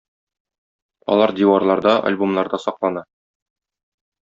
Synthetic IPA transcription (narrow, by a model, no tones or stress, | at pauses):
ɒ̰lˠɑɾd̪ʲiwɑɾlˠɑɾd̪ɑʔa̰lʲbomlˠɑɾd̪ɑsɒqlˠɑnɑ